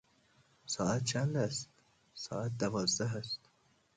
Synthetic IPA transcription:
sɒːæt̪̚t͡ʃʰænd̪æst̪ | sɒːæt̪̚d̪ævɒːzd̪æɦæst̪

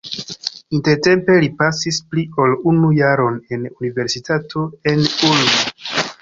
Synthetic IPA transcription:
inte̞ɾte̞mpe̞lipasisplio̞lunujaɾo̞ne̞nunive̞ɾsitatʰo̞e̞nulbo

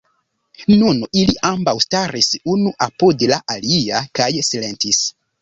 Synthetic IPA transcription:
nuniliʔambawstaɾisunuʔapodlaʔaliakajsile̞ntis

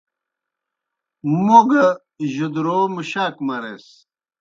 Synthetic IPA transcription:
moɡə | ʑud̪ɾoːmuɕaːkmɐɾḛs

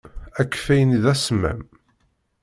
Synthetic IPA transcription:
ækːfæjəniðæsmæ̰m

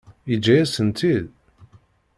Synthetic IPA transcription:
id͡ʒːæjæsənt̪ʰið

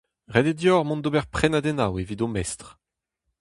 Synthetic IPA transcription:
ʁɛded̪jɔʁmɔ̃nd̪obɛʁpχɛnad̪ɛnawevid̪omɛst̪χ

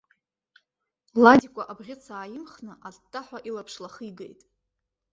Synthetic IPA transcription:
ladikʷʼaʔabʁʲɪt͡sʰaːjɪmχnɨʔadtʰʼːaħʷaʔilapʰʂlaχiɡḛjtʼ

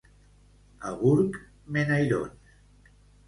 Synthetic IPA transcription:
aɣuɾk | menajɾo̰n

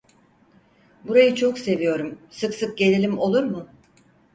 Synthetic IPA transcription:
buɾajɯt͡ʃʰo̞kse̞vijo̞ɾumsɯksɯk̚ɟe̞lʲelʲimo̞lˠuɾmʊ

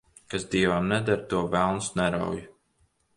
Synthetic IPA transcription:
kasd̪iɛvamnɛd̪aɾt̪uɔvælˠnsnɛɾa̰wj

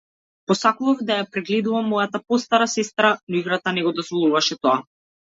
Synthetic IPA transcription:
pɔsakuvavd̪ajapɾɛɡlɛd̪uvamːɔjat̪apɔst̪aɾasɛst̪ɾanɔiɡɾat̪anɛɡɔd̪ɔzvɔlˠuvaʃɛt̪ɔa

